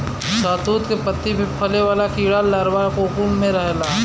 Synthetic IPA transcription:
saːt̪uːt̪kepət̪ːibʱipʰɐleʋaːlakiːɽaːlːaːɾʋakoːkuːnmẽɾɐɦlaː

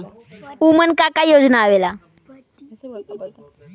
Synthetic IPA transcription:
umənkakajod͡znaːʋela

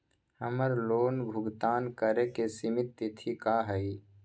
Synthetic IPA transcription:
həməɾloːnbʱʊɡt̪aːnkəɾekesɪmɪt̪ːɪt̪ʰikaɦəi

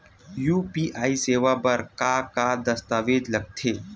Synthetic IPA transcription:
juːpiːʔaːiseːʋapɐɾkakad̪ɐst̪aːʋeːd͡ʒ̪lɐɡ̚t̪ʰeː

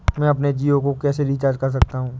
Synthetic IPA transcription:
mɛ̃ːɐpned͡ʒiːokokɛːseɾɪt͡ʃaːd͡ʒkɐɾs̬ɐk̚t̪aɦũː

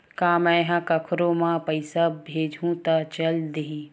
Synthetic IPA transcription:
kaːmɛ̃ɦãkɐkʰɾõmãpəɪsabʱeːd͡ʒʱũt̪at͡ʃəld̪eɦĩ

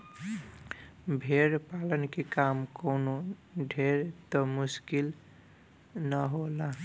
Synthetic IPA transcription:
bʱeɾpalənkekamkɔwnoɖʱeɾt̪ɔmuskil | nəɦola

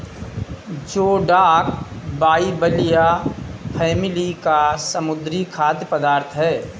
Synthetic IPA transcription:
d͡ʒoːɖaːk̚baːibəlijapʰɛːmɪlikasəmʊd̪ɾikʰaːd̪jəpəd̪aːɾt̪ʰɦɛː

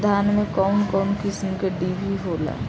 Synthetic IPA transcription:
d̪ʱaːnmẽkɔːnkɔːnkɪsmkeɖiːbʱiɦoːla̰

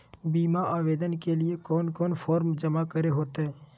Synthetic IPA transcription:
biːmaaːʋeːd̪ənkelɪekoːnkoːnpʰoːɾmd͡ʒəmakəɾeɦoːt̪eɛ̃

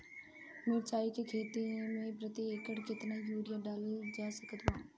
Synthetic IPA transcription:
mʊɾt͡ʃaːikekʰeːt̪imẽpɾət̪iekəɽkɪt̪naːjuːɾɪjaːɖaːld͡ʒaːsəkət̪ʋãː

